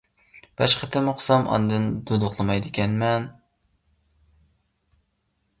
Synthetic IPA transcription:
b̥æʃχət̪ʰɪmuqʰsɑmʔɑ̰nd̪ɨnd̪ud̪ʊqlˠɨmɑjd̪ɪkʲɛnmɛn

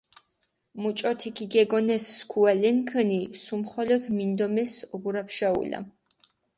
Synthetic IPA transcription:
mut͡ʃʼɔt̪ʰikʰiɡɛɡɔnɛsːkʰualɛnkʰənisumχɔlɔkʰmind̪ɔmɛsɔɡuɾapʰʃaṵla̰

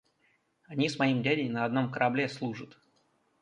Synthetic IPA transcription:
ɐnʲismɐimdʲædʲɪjnəɐd̪no̞mkəɾʔɐblʲeslˠuʐət̪

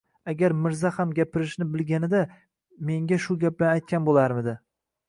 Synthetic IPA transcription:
aɡʲaɾmɪɾzahamɡʲapʰɪɾɪʃnɪbɪlɡʲanɪd̪a | me̞ŋɡʲaʃʊɡʲap̚lanajt̪̚kʲanbolaɾmɪd̪ɪ

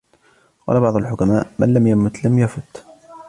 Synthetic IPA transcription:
wɑ̰labɑʕðˤʊlħʊkamaːʔmʔa̰nlamjamʊt̪lamjafʊt̪

